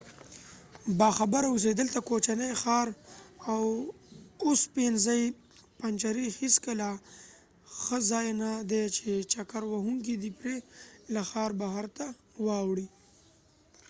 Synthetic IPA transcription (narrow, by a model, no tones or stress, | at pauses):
bɑxabaɾaʊs̬ed̪əlt̪akot͡ʃanajxɑɾaw | ospenzaj | pant͡ʃaɾixiskəla | xəzɑjnad̪et͡ʃet͡ʃakaɾwaɦuŋk̬id̪ipɾelaxɑɾbaɦaɾt̪a | wɑwɽi